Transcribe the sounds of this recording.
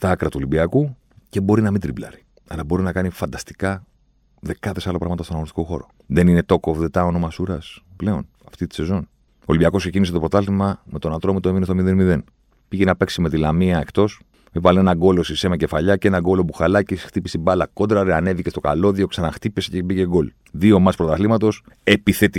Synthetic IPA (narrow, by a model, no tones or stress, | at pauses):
st̪ɐɐkɾɐt̪ulibiɐku | ce̞bo̞ɾinɐmind̪ɾiblɐ̰ɾi̥ | ɐlɐbo̞ɾinɐkɐnifɐnd̪ɐst̪i̥kɐ | ðe̞kɐθe̞sɐlopɾɐɣmɐt̪ɐstonɐɣonist̪i̥ko̞xo̞̰ɾo̞̰ | ðe̞nine̞t̪o̞kovðet̪ɐonomɐsuɾɐsple̞o̞̰n | ɐft̪it̪i̥se̞zo̞n | o̞libiɐko̞skse̞ciniset̪o̞pɾo̞t̪ɐlt̪imɐme̞t̪o̞nat̪ɾomit̪oeminest̪omiðenmiðe̞n | piʝenɐpe̞ksime̞t̪ilɐmiɐe̞kt̪o̞s | mivɐlinenɐɡo̞lo̞sisemɐce̞faʎɐce̞nɐɡo̞lo̞puxalɐcisxt̪ipist̪ibɐlɐkod̪ɾɐɾeɐne̞vicest̪o̞ka̰lo̞ðio̞ksɐnɐxt̪ipesecebiʝe̞ɡo̞l | ðio̞mɐspɾot̪ɐθlimɐt̪o̞se̞piθe̞t̪i